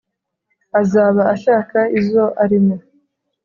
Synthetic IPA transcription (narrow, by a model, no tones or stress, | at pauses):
azaːβaaʃaːkaizo̞ʔaɾimo